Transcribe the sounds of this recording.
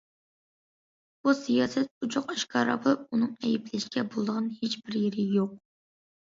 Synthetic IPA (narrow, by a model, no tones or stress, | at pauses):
b̥usijɑːsɛt̪̚ut͡ʃʰoqɛʃkʰɑːɾɑ̰pɨunɨŋɛjɪplɪʃkʲʰɛbolˠd̪əʁɑnhet͡ʃbɪɾjeɾɪjoq̚